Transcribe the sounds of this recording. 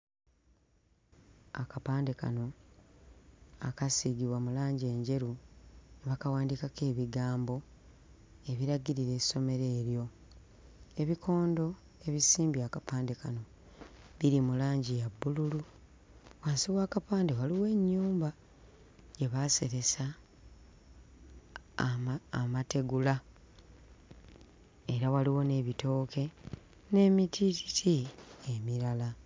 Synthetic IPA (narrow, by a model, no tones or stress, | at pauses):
akapaːndeka̰no̞ | akasiɡiβwamulaːɲɟe̞ːɲɟe̞ɾunβakawaːndikake̞ːβiɡaːmbo̞ | e̞βiɾaɡiɾiɾe̞̥ːso̞me̞ɾe̞ːɾjo̞ | e̞βikʰo̞ːndo̞ | e̞βisiːmbiakapaːnde̞kano̞ | βiɾimulaːɲɟijabːululu | waːnsiɣwaːkapaːndewaliwe̞ːɲːuːmba | je̞βase̞ɾe̞sa | mate̞ɡula | eɾawaliwo̞ne̞βito̞ːkʰe̞ | ne̞ːmitʰiti̥tʰiemiɾala